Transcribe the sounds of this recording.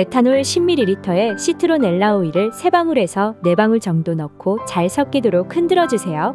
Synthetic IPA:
e̞tʰanoɭɕʰimːiɾiɾitʰʌe̞ɕʰitʰɯɾone̞ɭːauiɾɯɭsʰe̞baŋɯɾe̞sʰʌne̞baŋɯɭt͡ɕʌŋdonʌkʰot͡ɕaɭsʰʌk̚k͈idoɾok̚ʰɯndɯɾʌd͡ʑusʰe̞jo

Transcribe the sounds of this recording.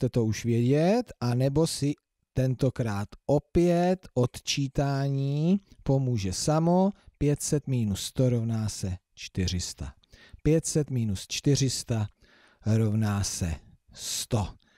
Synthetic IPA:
t̪ɛt̪ouʃvjɛɟɛt̪ʔanɛbo̞sɪ | t̪ɛnt̪o̞kɾaːt̪ʔo̞pjɛt̪ʔo̞t̪t͡ʃiːt̪aːɲiːpo̞muːʒɛsamo̞pjɛt̪sɛt̪miːnusːt̪o̞ɾo̞vnaːsɛ | t͡ʃt̪ɪr̝ɪst̪a̰ | pjɛt̪sɛt̪miːnust͡ʃt̪ɪr̝ɪst̪a | ɾo̞vnaːsɛ̰ | st̪o̞

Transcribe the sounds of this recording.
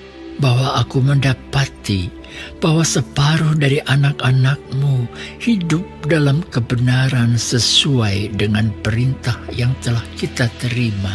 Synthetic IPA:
bahwaʔːkuməndapat̪i | b̥aɦwasəpaɾʊhdaɾiʔanakanak̚muhidʊp̚dalamkəbənaɾansəsuajdəŋanpəɾint̪ahjaŋt̪əlahkit̪at̪əɾima

